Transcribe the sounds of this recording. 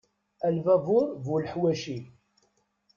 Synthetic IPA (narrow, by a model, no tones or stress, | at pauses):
ælvævʊɾˤvulħwæʃi